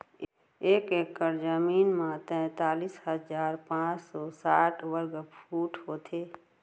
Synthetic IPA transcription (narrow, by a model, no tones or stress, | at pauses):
eːkeːkːəɾd͡ʒəmiːnmãt̪ɛ̃ːt̪aːliːshəzaːɾpãːt͡ʃsɔːsaːʈʰwəɾɡəfʰuːʈɦoːt̪ʰeː